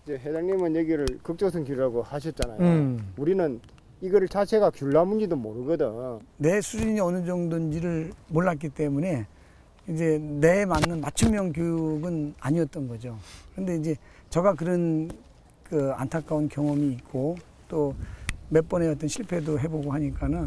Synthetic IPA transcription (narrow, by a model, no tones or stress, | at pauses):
id͡ʑeɦedaŋɲimɯnjeɡiɾɯɭkɯk̚t͡ɕ͈ʌsʰɯnkuɾiaɡohaɕ̬ʰʌt̚t͡ɕ͈ana̰jouɾinɯn | iɡʌɾɯɭt͡ɕat͡ɕʰeɡakjuɭːamund͡ʑidomoɾɯɡʌdɯne̞sʰud͡ʑuiɲiʌnɯd͡ʑʌŋdɯnd͡ʑiɾɯɭmoɭːat̚k͈it͈e̞mune̞ | id͡ʑe̞ne̞ːmanːɯnmat͡ɕʰɯmːjʌŋkjojuɡɯna̰ɲiʌt͈ʌnɡʌd͡ʑokɯɾɯnde̞id͡ʑe̞ | t͡ɕʌɡakɯɾʌn | kɯa̰ntʰak͈aunkjʌŋʌmiːt̚k͈o | t͈ome̞p͈ʌnejʌt͈ʌnɕʰiɭpʰe̞doɦe̞boɡoɦaɲik͈anɯ